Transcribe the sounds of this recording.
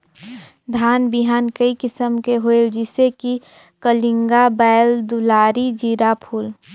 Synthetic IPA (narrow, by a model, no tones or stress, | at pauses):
d̪ʱaːnbɪɦaːnkəikɪsəmkeɦoeld͡ʒɪseki | kəlɪ̃ŋɡabaːɪld̪ulaːɾid͡ʒiːɾapʰuːl